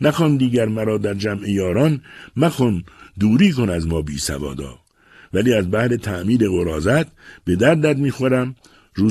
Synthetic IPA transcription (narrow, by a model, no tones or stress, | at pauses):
næxɒːnd̪iːɟæɾmæɾɒːd̪æɾd͡ʒæmejɒːɾɒːnmæxɔnd̪uːɾiːkonæzmɒːbḭːsæ̰vɒ̰ːd̪ɒ̰ː | væliːæzbæhɾet̪ʰæʔmiːɾe̞ɣoɾɒːzæt̪b̥e̞d̪æɾd̪æd̪miːxoɾæm | ɾuː